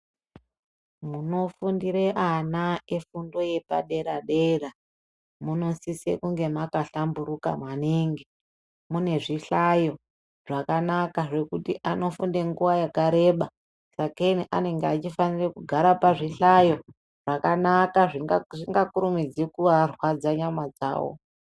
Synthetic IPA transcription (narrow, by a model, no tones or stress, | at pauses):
muno̞fundiɾe̞ʔanaefundo̞je̞pa̰ɗe̞ɾaɗe̞ra | muno̞sisḛkuŋɡe̞makaɬambuɾuka̰mwaniːŋɡi | mune̞ʐiɬajo̞ | ʐakanakaʐe̞kutiʔano̞fundeŋɡuʋajakaɾe̞ɓa | sakeniʔa̰ne̞ŋɡeat͡ʃifanirekuɡʱaɾapaʐiɬajo̞ | ʐ̥akanakaʐiʐiŋɡakuɾumid͡zikuʋarwad͡zaɲamad͡za̰ːwo̰